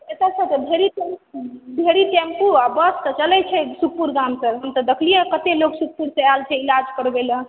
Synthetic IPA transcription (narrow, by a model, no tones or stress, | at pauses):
et̪at͡ʃʰət̪əbʱeɾiʈɛmbʱeɾiʈɛ̃mpuabəst̪ɔt͡ʃəlɛt͡ʃʰɛsuk̚ʰpuɾɡamsəɾɦəmt̪ɔd̪əkʰlijekət̪eloksuk̚ʰpuɾsealt͡ʃʰɛilad͡ʒkəɾbelə